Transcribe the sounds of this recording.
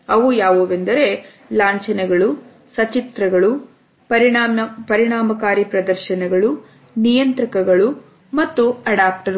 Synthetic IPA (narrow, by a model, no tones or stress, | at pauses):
ɐʋujaːʋoːʋend̪ɐɾe̞ | laːɲt͡ʃɐnɛɡɐɭu | sɐt͡ʃit̪ɾɐɡɐɭu | pɐɾiaɐpɐɾiɳaːmɐkaːɾipɾɐd̪ɐɾʃɐnɐɡɐɭu | nijɐnt̪ɾɐkɐɡɐɭu | mɐt̪ːuɐɽaːp̚ʈɐɾu